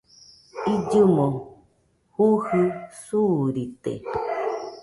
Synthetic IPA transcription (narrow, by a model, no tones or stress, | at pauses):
id͡ʒumo | huhɨsuɾit̪ḛ